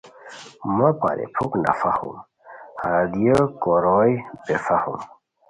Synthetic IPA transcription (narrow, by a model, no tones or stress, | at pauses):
mɐpa̰ɾʔḛpʰukna̰fahṵm | had̪ijəkoɾojbefahṵm